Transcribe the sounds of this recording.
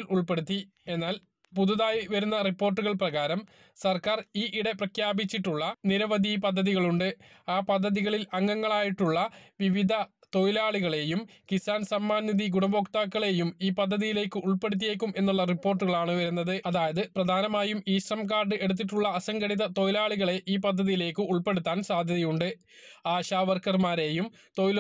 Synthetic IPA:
luɭpe̞ɽut̪ːi | e̞nːaːl | puðuðaːjiʋɐɾunːɐripːo̞ːrʈːuɣɐɭprɐɣaːɾɐm | sɐrkaːriːʔiɽe̞prɐkʰjaːbit͡ɕːiʈːuɭːɐniɾɐʋɐd̪ʱipɐd̪ʱːɐðiɣɐɭuɳɖɨaːpɐd̪ʱːɐðiɣɐɭilɐŋːɐŋːɐɭaːjiʈːuɭːɐʋiʋid̪ʱɐ | t̪ojilaːɭiɣɐɭe̞jum | kisaːnsɐmːaːnjɐðiɡuɳɐbo̞ːkt̪aːkːɐɭe̞jumiːpɐd̪ʱːɐðijile̞ːkːɨʔuɭpe̞ɽut̪̬ːije̞ːk̬ːume̞nːuɭːɐripːo̞ːrʈ̬ːuɣɐɭaːɳɨʋɐɾunːɐðɨɐðaːjɐðɨprɐd̪ʱaːnɐmaːjumiːʂrɐmkaːrɖɨʔe̞ɽut̪̬ːiʈːuɭːɐɐsɐŋɡɐɽiðɐt̪o̞jilaːɭiɣɐɭe̞ʔiːpɐd̪ʱːɐðijile̞ːkːɨuɭpe̞ɽut̪ːaːnsaːd̪ʱjɐðɐjuɳɖɨ | aːɕaːʋɐrkɐrmaːɾe̞jum | t̪ojil

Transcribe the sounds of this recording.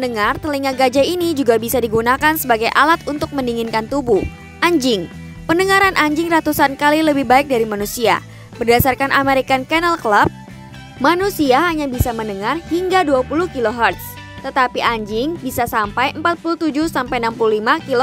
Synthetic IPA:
nəŋart̪əliŋaɡad͡ʒainid͡ʒuɡabisadiɡunakansəbaɡajʔa̰lat̪unt̪ʊk̚məniŋɪnkant̪ubuh | ʔaɲd͡ʒɪŋ | pəndəŋaɾanʔaɲd͡ʒɪŋrat̪usankaliləbɪhbaɪk̚daɾimanusia̰ | b̥ərdasarkanʔameɾikankanalkəlap̚ | manusiaɦaɲabisamənəŋarhiŋɡaduapuluhkiloɦart̪s | t̪ət̪apiʔaɲd͡ʒɪŋbisasampajəmpat̪̚puluht̪ud͡ʒʊhsampajnampululimakilo

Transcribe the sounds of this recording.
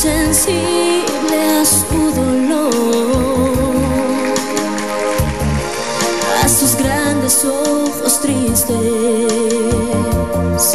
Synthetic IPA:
sensi | βleskuðolo | asozɡɾand̪esoxost̪ɾist̪e | s

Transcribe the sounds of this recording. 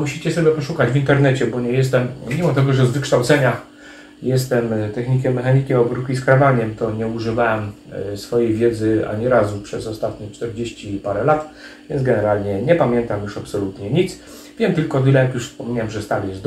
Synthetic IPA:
muɕit͡ɕɛsɔbʲjɛpɔʂukad͡ʑvʲint̪ɛɾnɛt͡ɕɛbɔɲɛjɛs̬t̪ɛmːʲimɔt̪ɛɡɔʐɛzvɘkʂt̪awt̪sɛɲa | jɛst̪ɛmt̪ɛxɲikʲɛmːɛxaɲikʲiɔbɾukʲiskɾavaɲɛmt̪ɔɲɛuʐɨvawɛm | sfɔjejvʲjɛd̪zɘa̰ɲiɾazupʂɛzɔst̪at̪ɲit͡ʂt̪ɛɾd͡ʑeɕt͡ɕipaɾɛlat̪vʲjɛ̰nzɡɛnɛɾalɲɛɲɛpamʲjɛnt̪amjuʂapsɔlut̪ɲɛɲit̪s | vʲjɛmt̪ɘlkɔd̪ɘlɛjakjuʂfspɔmʲiɲaɛmʐɛst̪aljɛszd̪

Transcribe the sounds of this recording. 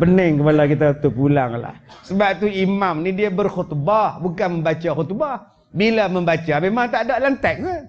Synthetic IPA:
pənəŋkəpalawkit̪at̪upulaŋla̰hsəbap̚t̪uimamnidiabərxut̪babukanməmbat͡ʃaxut̪ba | bilaməmbat͡ʃamemaŋt̪adaʔlant̪ɛk̚nə

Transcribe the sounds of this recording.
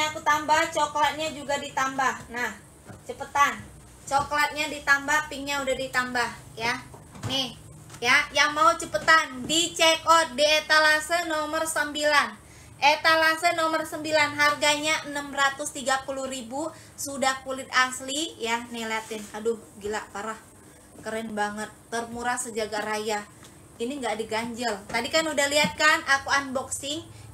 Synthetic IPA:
akut̪ambaht͡ʃoklat̪̚ɲad͡ʒuɡadit̪ambahnah | t͡ʃəpət̪an | t͡ʃoklat̪̚ɲadit̪ambahpiŋɲaudahdit̪ambah | ja | nɪh | jajaŋmaut͡ʃəpət̪andit͡ʃekɔt̪̚diet̪alasənomərsəmbilan | ʔet̪alasənɔmərsəmbilanɦarɡaɲaʔənamrat̪ʊst̪iɡapuluhribu | sudahkulɪt̪̚aslijanelat̪ɪnkadʊhbəɡilapaɾah | kəɾɛnbaŋət̪̚ːərmuɾasəd͡ʒaɡaɾaja | iniŋɡaʔdiɡaɲd͡ʒəlt̪adikanudahliɦat̪̚kanakuanbɔksɪŋ

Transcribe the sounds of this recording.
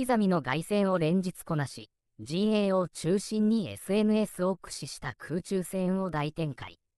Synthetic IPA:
izamʲino̞ɡaisẽ̞ɰ̃o̞ɾẽ̞ɲ̟d͡ʑit͡sɨ̥ko̞naɕi | d͡ʑĩɰ̃ẽ̞ɰo̞t͡ɕɨːɕĩɲ̟ːie̞̰sɨe̞nɯ̟e̞sɨo̞kɯ̟̥ɕiɕi̥t̪akʰɯːt͡ɕɨːsẽ̞ɰ̃o̞d̪ait̪ẽ̞ŋka̰ḭ

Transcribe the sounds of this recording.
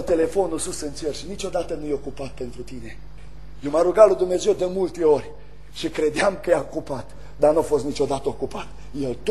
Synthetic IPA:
t̪e̞le̞fo̞nususɨnt͡ʃerʃinit͡ʃo̞d̪at̪ənujeo̞kupat̪̚pe̞nt̪ɾut̪ine̞ | jewmaɾuɡalud̪umneze̞wd̪emult̪e̞o̞rʲ | ʃikɾe̞d̪eamkəjaokupat̪ | d̪arnuafo̞st̪nit͡ʃo̞d̪at̪əokupat̪ | jelt̪

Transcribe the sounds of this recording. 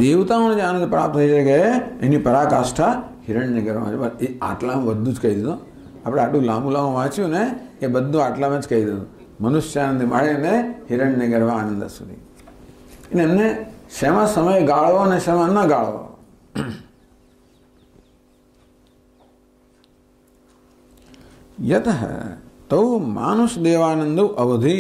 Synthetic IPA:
d̪eʋt̪aoned͡ʒeaːnə̃nd̪pɾa̰ːp̚t̪ʰːəiʃekeenipəɾakasʈʰahɪɾəɳɖneɡəɾʋa̰mã̰t͡ʃebəea̰ʈlambəd̪ʱːũd͡ʒkəɦid̪id̪ũ | aːpɽ̃eaːʈlũlãmũlãmũʋãːt͡ʃjũneːbəd̪ʱːũaːʈlamãt͡ʃkəɦid̪id̪ũ | mənʊʃjaːnə̃nd̪imaɭemeɦɪɾəɳɖneɡəɾʋãanə̃nd̪ə̰sṵd̪ʱḭ | enemneʃemãsəməjɡaːɭʋoneʃemãnːaɡaːɭʋo̰ | jɐt̪əɦə̰t̪ɐwma̰ːnuʃd̪eːʋaːnənd̪uʔɐʋɐd̪ʱi

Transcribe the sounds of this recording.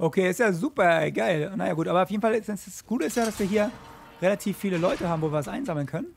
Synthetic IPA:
ʔokʰeːɪstjaːzuːpɐɡaɪlnajaːɡuːtʔaːbɐʊfjeːdn̩falɪsdɛsasɡ̥uːtəɪstjaːɾasv̥iːɐɦiːɐ | ʁelatʰiːfːiːləlɔʏtəhaːbm̩voːviːɐasʔaɪnzaml̩nkʰœnən

